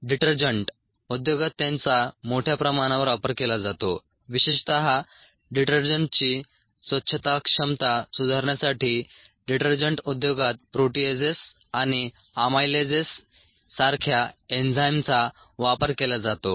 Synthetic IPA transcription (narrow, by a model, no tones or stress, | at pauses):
ɖiʈəɾd͡ʑəɳʈ | ud̪joɡat̪ːjãnt͡samoʈʰjapɾəmaɽ̃aʋəɾʋapəɾkelad͡zat̪o | ʋiɕeɕt̪əɦa | ɖiʈəɾd͡ʑəɳʈt͡ɕiː | sʋətːɕʰət̪akʂəmt̪asud̪ʱaɾɳjasaʈʰiː | ɖiʈəɾd͡ʑəɳʈud̪joɡat̪̚pɾoʈied͡zes | aɽ̃i | amajled͡zesː | aɾkʰjaend͡zajmt͡sa | ʋapəɾkelad͡zat̪o